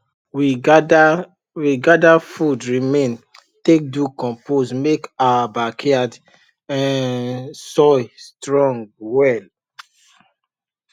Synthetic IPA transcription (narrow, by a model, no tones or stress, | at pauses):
wid | wiɡadafudɹimẽn | tek̚dukɔ̃mposmekawabakʰɛad | ɛ̃ | sɔjstɹɔ̃ŋɡwɛl